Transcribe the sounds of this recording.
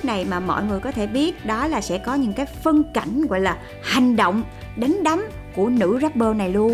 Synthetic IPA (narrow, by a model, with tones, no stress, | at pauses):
na˨˩jmaː˨˩mɔ̰˧˨jŋɨ˨˩əjkɔ˨˦t̪ʰe˧˩ɓi˦˥ət̚ɗɔ˨˦laː˨˩sɛ̰˧˥kɔ˨˦ɲɨ̰˧˥ŋkaː˨˦jfɨ˧əŋka˧˩jŋ̟ɣwa̰˧˨jlaː˨˩ | ha˨˩jŋ̟ɗo̰˧˨wŋ͡m | ɗe˨˦nɗa˨˦m | ku˧˩ənɨ̰˧˥za˦˥p̚ɓəː˧na˨˩jlu˧ən